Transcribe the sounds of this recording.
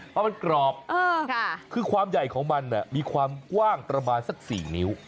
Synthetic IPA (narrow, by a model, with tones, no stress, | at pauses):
ɔ˦˥ma˧nkɾɔː˨˩p̚ʔɤː˧˩kʰɯː˧kʰwaː˧mja˨˩jkʰɔː˩˦ŋma˧nːi˧˩miː˧kʰwaː˧mkwaː˥˩ŋp̪ɾa˧baː˧nsa˨˧˩k̚siː˨˩ni˦˥w